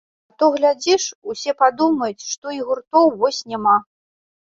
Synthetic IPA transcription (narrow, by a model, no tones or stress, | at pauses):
at̪ɔɣlʲad͡zʲiʂusʲɛpad̪umɐjut͡sʲʂt̪ɔiɣurt̪ɔwvɔsʲnʲɛma